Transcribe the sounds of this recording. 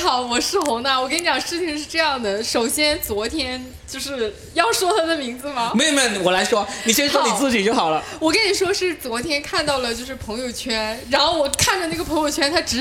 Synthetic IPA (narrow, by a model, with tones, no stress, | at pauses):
xɑ˨˩˦ʊwɔ˨˩ʂɻ̩˥˩xʊ˧˥ŋd̪a˧wɔ˨˩kə˥ni˧˥t͡ɕjɑ˨˩ʂɻ̩˥˩t͡ɕʰi˧˩ŋʂɻ̩˥˧ʈ͡ʂɤ˥˧jɑ˥˩ŋd̪ə˩ʂo˨˩ʊɕjɛ˥nt͡swɔ˧˥t̪ʰjɛ˥n | t͡ɕjo˥˧ʊʂɻ̩˥˧ | jɑ˥˩ʊʂwɔ˥t̪ʰa˥d̪ə˨mi˧˥ŋd͡zɹ̩˧mɐ˩me˥˧˩mə˥˩wɔ˨˩la˧˥ɪʂwɔ˥ni˨˩ʂ̩˥t͡swɔ˥ni˨˩t͡sɹ̩˥˩t͡ɕi˨˩t͡ɕjo˥˩ʊxɑ˨˩ʊlə˦wɔ˨˩kə˥ni˨˩ʂwɔ˥ʂɻ̩˥˩t͡swɔ˧˥t̪ʰjɛ˥nkʰa˥˧nt̪ɑ˥˩ʊlə˩t͡ɕjo˥˧ʊʂɻ̩˥˩pʰɤ˧˥ŋjo˨˩ʊt͡ɕʰɥɛ˥nɻa˧˥nxo˥˩ʊwɔ˨˩kʰa˥˩nʈ͡ʂə˧˩na˥˩ɡə˩pʰɤ˧˥ŋjo˨˩ʊt͡ɕʰɥɛ˥nt̪ʰa˥ʈ͡ʂɻ̩˧˥